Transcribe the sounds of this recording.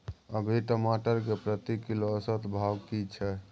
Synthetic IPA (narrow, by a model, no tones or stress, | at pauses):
əbʱiʈəmaʈəɾkepɾət̪ikːiloəsət̪bʱawkit͡ʃʰɛ